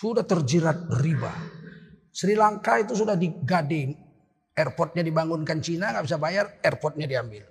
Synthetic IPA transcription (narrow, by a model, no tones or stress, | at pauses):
sudaht̪ərd͡ʒiɾat̪̚riba̰ | sɾilaŋkait̪us̬udahdiɡadɛŋ | ɛrpɔrt̪̚ɲadibaŋʊnkant͡ʃinaŋɡaʔbisabajarɛrpɔrt̪̚ɲadiambɪl